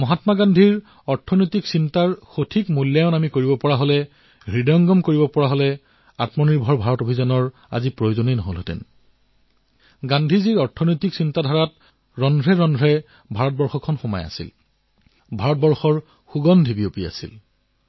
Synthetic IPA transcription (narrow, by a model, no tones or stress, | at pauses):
mɔɦatmaɡandʱiɹ | ɔɹtʰɔnojtiksintaɹxotʰikmuljajɔnamikoɹibɔpɔɹaɦolɛ | ɹidɔɔŋɡɔmkoɹibɔpɔɹaɦolɛ | atmɔniɹbʱɔɹbʱaɹɔtobʱizanɔɹ | a̰zipɹojozoninɔɦolotɛ̰n | ɡandʱiziɹɔɹtʰɔnojtiksintadʱaɹat | ɹɔndʱɹɛɹɔndʱɹɛ | bʱaɹɔt̚bɔɹxɔkʰɔnxɔma̰ja̰sḭl | bʱaɹɔt̚bɔɹxɔɹ | xuɡɔndʱibiopia̰sḭl